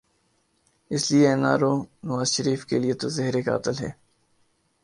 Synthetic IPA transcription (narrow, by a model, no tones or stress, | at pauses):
ɪsliena̰ːɾoːnɐʋaːzʃəɾiːfkeliet̪ozɛɦɾeka̰ːɐt̪əlɦɛ̰ː